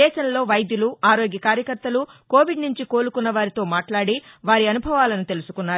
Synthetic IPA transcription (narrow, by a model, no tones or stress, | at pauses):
ɛːʃɐnlo̞ːʋɐjd̪juluaːɾo̞ːɡjɐkaːɾjɐkɐɾt̪ːɐluko̞ːʋiɖnuɲt͡ʃiko̞ːlukunːɐʋaːɾit̪o̞ːmaːʈlaːɽi | ʋaːɾiɐnubʱɐʋaːlɐnut̪e̞lusu̥kunːaːɾ